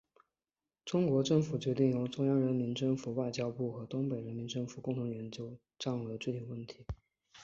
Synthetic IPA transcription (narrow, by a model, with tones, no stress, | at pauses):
ʈ͡ʂʊ˥ŋkwɔ˧˥ʈ͡ʂɤ˥˩ŋfu˨˩t͡ɕɥɛ˧˥t̪̬i˥˩ŋjo˧˥ʊʈ͡ʂʊ˥ŋjɑ˥ŋɻə˧˥nmi˧˥nʈ͡ʂɤ˥˩ŋfu˨˩wa˥˩ɪt͡ɕjɑ˥ʊpu˥˩xɤ˧˥t̪ʊ˥ŋpe˨˩ɪɻə˧˥nmi˧˥nʈ͡ʂɤ˥˩ŋfu˨˩kʊ˥˩ŋt̪ʰʊ˧˥ŋjɛ˧˥nt͡ɕjo˥ʊ | ʈ͡ʂŋə˧˥ʈ͡ʂwe˥˧ɪi˨˩wə˥˩nt̪ʰi̥˧˥